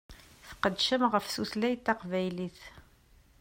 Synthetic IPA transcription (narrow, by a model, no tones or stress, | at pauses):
θə̥qəd̪ʃəmʁəfsuθlæjt̪ːɑqvæjliθ